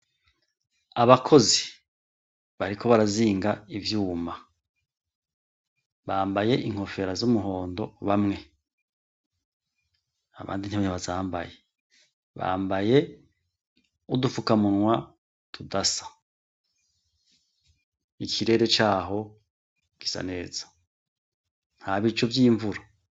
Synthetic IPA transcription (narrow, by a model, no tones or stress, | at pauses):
aβakʰo̞zi | βaɾikʰo̞βaɾaziːŋɡaivjuːma | βaːmbaje̞ʔiŋ̥ho̞fe̞ɾazumuɦo̞ːndo̞βamŋe̞ | aβa̰ːndin̥hiβaɲaβazaːmba̰je | βa̰ːmbaje̞ | udufukamunwa | tʰudasḁ | ikʰiɾe̞ɾe̞t͡ʃaːɦo̞ | ki̥sa̰ne̞ːz̥ḁ | n̥haβit͡ʃovjiːɱvuɾa